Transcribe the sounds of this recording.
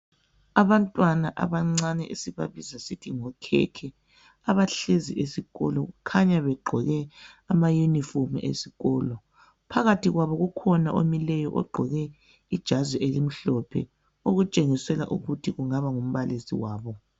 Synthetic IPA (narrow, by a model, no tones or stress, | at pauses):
aβantʼwanaʔa̰βaŋ͡ǀanɛʔesiβa̰βizasitʰiŋɔkʰɛ̰kʰɛ | aβaɬeziʔesiɣɔ̰lɔɣukʰaɲaβɛɡ͡ǃʱɔɣɛ | amajunifomḭʔḛsiɣɔːlɔ | pʰaɣatʰiɣwaβɔɣukʰɔnaʔomilɛjɔʔɔ̰ɡ͡ǃʱɔɣɛ | id̥ʒ̥ʱazɛʔelim̩ɬɔpʰɛ̰ | oɣut͡ʃʼeŋisɛla̰ʔṵɣutʰiɣuŋaβaŋum̩βalezḭwaːβɔ